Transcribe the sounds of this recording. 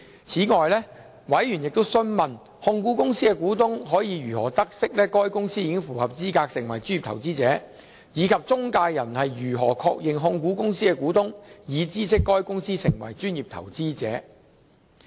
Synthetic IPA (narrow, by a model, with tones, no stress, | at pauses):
t͡sʰiː˨˥ŋɔː˨jlɛː˥ | wɐ˨˥jjy˨˩njɪ˨k̚t̪o˥wsɵ˥nmɐ˨n | hʊ˧ŋkuː˨˥kʊ˥ŋsiː˥kɛ˧kuː˨˥t̪ʊ˥ŋɦɔː˨˥jiː˨˧jyː˨˩hɔː˨˩t̪ɐ˥k̚sɪ˥k̚lɛː˥kɔː˥jkʊ˥ŋsiː˥jiː˧kɪ˥ŋfuː˨˩hɐ˨p̚t͡siː˥kaː˧k̚sɪ˨˩ŋwɐ˨˩jt͡ʃy˥nji˨p̚t̪ʰɐ̰˨˩wt͡siː˥t͡sɛː˨˥ | jiː˨˧kʰɐ˨p̚t͡sʊ˥ŋkaː˧jjɐ˨˩nhɐ˨jɥyː˨˩ɦɔ̰ː˨˩kʰɔː˧k̚jɪ˨ŋɦʊ˧ŋkuː˨˥kʊ˥ŋsiː˥kɛ˧kuː˨˥t̪ʊ˥ŋjiː˨˧t͡siː˥sɪ˥kːɔː˥jkʊ˥ŋsiː˥sɪ˨˩ŋwɐ̰˨˩jt͡ʃyː˥njiː˨p̚t̪ʰɐ̰˨˩wt͡siː˥t͡sɛ̰ː˨˥